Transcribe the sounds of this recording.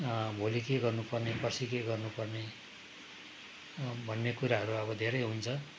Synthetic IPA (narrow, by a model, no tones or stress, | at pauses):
bʱolikeɡʌrnupʌrnepʌrsikeɡʌrnupʌrne | bʱʌnːekuɾaɦʌɾuʌbʌd̪ʱeɾʌjɦunt͡sʰʌ